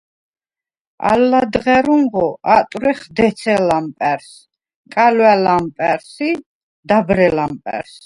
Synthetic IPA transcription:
a̰lːad̪ʁɛɾuŋʁɔʔat̪ʼɾɛχd̪ɛt̪sʰɛlampʼɛɾs | kʼalwɛlampʼɛɾsi | d̪abɾɛlampʼɛ̰ɾs

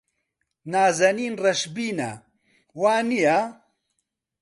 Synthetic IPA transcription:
naːzɐniːnrɐʃbiːnɐ̰ | waːnija

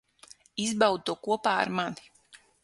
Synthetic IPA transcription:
izbawd̪t̪uɔkuɔpaːa̰ɾmani̥

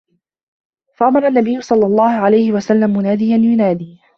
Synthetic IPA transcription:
faʔamɑɾˤɑnːabɪjːʊsˤɑlːɑlˤːɑːhʊʕalajhɪwasalːammʊnaːd̪ijanjʊnaːd̪iː

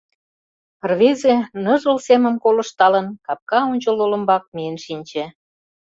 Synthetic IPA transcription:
ərβezenɤ̆ʒə̆lsemə̆mkolə̆ʃt̪ɑlə̆nkɑp̚kɑunʲt͡ɕəlolə̆mbɑk̚mijənʃinʲt͡ɕĕ

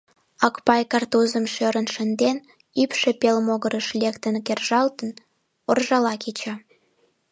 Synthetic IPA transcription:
ɑkpɑjkɑrt̪uzəmʃøɾənʃənd̪en | ypʃĕpelmoɣəɾəʃlʲekt̪ənkerʒɑlt̪ən | orʒɑlɑkit͡ɕɑ

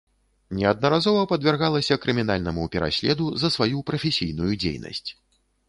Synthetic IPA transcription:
nʲɛɐd̪̚nɐɾazɔvɐpɐd̪vʲɛrɣalˠɐsʲɐkɾɨmʲin̪alʲnɐmupʲɛɾʔa̰sʲlʲɛd̪uzɐsvajupɾɐfʲɛsʲijnujud͡zʲḛjnɐ̰sʲt͡sʲ

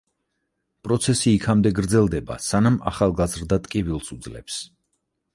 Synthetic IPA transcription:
pʼɾɔt̪sʰɛsiːkʰamd̪ɛɡɾd̪zɛlˠd̪ɛba̰sanama̰χalˠɡazɾd̪at̪ʼkʼivilˠsud̪zlɛ̰ps

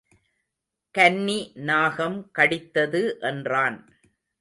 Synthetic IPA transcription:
kɐnːinaːɣɐmkɐɽɪt̪ːɐðɯʔɛndraːn

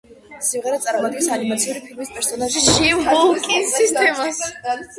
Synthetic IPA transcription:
simʁɛɾɛat̪sʼaɾmɔad̪̚ɡɛnsanimat̪sʰiuɾipʰilmispʼɛɾsɔnaʒiʃiɔkʼiist̪ʼɛmas

